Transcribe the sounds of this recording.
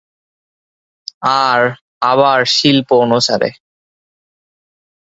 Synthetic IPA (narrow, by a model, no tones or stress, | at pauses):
aɾ | aβaɾʃilpoonusa̰ɾḛ